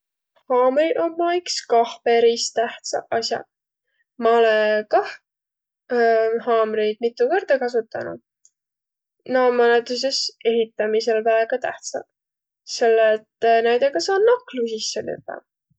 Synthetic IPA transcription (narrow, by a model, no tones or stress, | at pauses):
hɑːmɾiommɑikskɑhpeɾist̪æht̪sɑ̰ʔɑsjɑ̰ | mɑolekɑh | hɑːmɾejd̪̥̚mit̪ːˑuvɤrd̪̥ɑkɑs̬ut̪ːˑɑnṵd̪̥ | nɑːmɑnet̪us̬ese̞ɦit̪ːˑɑmise̞lvæeɡ̥ɑt̪æ̰ht̪sɑ̰ | se̞lːet̪ːnæjd̪̥eɡɑsɑːnːɑklusisːenḛt̪ːˑɑ̰